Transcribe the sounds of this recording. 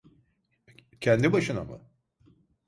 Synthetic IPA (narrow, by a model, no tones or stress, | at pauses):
cʰɛnd̪ibaʃɯna̰ma̰